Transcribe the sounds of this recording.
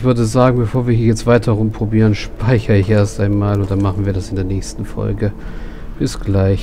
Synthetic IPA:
ɪçv̥ʏɐdəzaːɡŋ̩bəfoːɐviːɐhiːɐjɛt͡stv̥aɪtʰɐʁʊmpʁ̥obiːʁ̞ənʃpʰaɪçɐɪçʔeːɐstaɪnmaːlʊnt̚d̥anmaχn̩viːɐdasɪndeːɐnɛːçstn̩fɔ̰lɡə | b̥ɪsɡ̥laɪç

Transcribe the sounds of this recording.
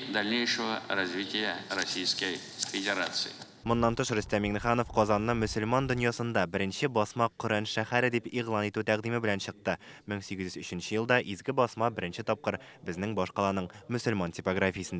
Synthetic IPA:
d̪ɐlʲnʲejʂəvərɐzʲvʲitʲɪjərɐsʲijskəj | fʲɪdʲɪɾat̪sɨ̰ɪ | mŏnːɑnt̪ɤʃrɵ̆st̪æmiŋnɘ̆χɑnofqɒzɑnːɤmɵ̆sɵ̆lmɑnd̪ɵ̆njɑsɤ̆nd̪ɑbɘ̆ɾɘ̆nɕɘbɒsmɑqɵ̆ɾænʃæχæɾɘd̪ipiʁlˠɑnit̪ʉt̪æqd̪imɘbɘlænɕɤ̆q̚t̪ɤmɘŋsiɡɘzjyzɵ̆ɕɘ̆nɕɘjɤlˠd̪ɑʔizɡɘbɒsmɑbɘ̆ɾɘ̆nɕɘt̪ɒp̚qɤɾ | bɘ̆znɘŋbɒʃqɑlˠɑnɤɴmɵ̆sɵ̆lmɑntʲipoɡrafʲijəsə̆nd̪

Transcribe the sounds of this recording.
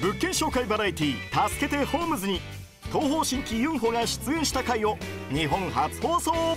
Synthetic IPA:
bɯ̟kːẽ̞ɰ̃ɕo̞ːkaibaɾait̪ʲit̪asɨ̥ke̞t̪e̞ho̞ːmɯ̟zɨɲ̟i | t̪o̞ːɦo̞ːɕĩŋkʲijɯ̟̃ŋ̃ɦo̞ːŋɡaɕɨ̥t͡sɨẽ̞ɰ̃ɕi̥t̪akaio̞ | ɲ̟iɦõ̞ŋhat͡sɨ̥ho̞ːsoː

